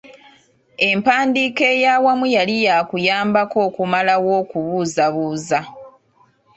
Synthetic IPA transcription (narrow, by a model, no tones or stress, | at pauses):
e̞mpaːndiːke̞ːjawamujalijakujaːmbako̞ːkumalawo̞ːkuβuːzaβuːza